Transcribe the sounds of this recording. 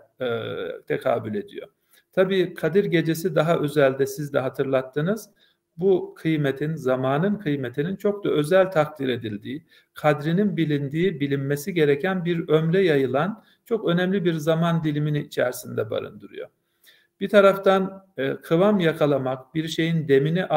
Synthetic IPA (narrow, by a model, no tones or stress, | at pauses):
t̪ʰekʰa̰ːbulʲe̞d̪ijo̞̰ | t̪ʰabiːkʰad̪iɾɟe̞d͡ʒe̞sid̪aɦaʔø̞zælʲd̪ɛsizd̪ɛɦat̪ʰɯɾlˠat̪ʰːɯnɯz̥ | bukʰɯjmet̪ʰinzamaːnɯnkʰɯjmet̪ʰinint͡ʃʰo̞k̚d̪aø̞zælʲt̪ʰak̚d̪iɾe̞d̪ilʲd̪iː | kʰad̪ɾininbilʲind̪iːbilʲinmesiɟe̞ɾecʰænbiɾømlɛjajɯlˠan | t͡ʃʰo̞kø̞nɛmlʲibiɾzamand̪ilʲiminiːt͡ʃʰæ̰ɾsind̪ɛba̰ɾɯ̰nd̪ɯɾṵjo̞̰ | b̥it̪ʰaɾaft̪ankʰɯvamjakʰalˠamak̚biɾʃe̞jind̪e̞miniʔ